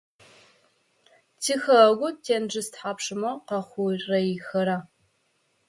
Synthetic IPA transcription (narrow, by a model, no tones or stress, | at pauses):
tʰiːxɐɡʷʊtʰeːnd͡ʒɨstħaːpʂɨmɐqɐχʷʊrrɐjɪxɐɾa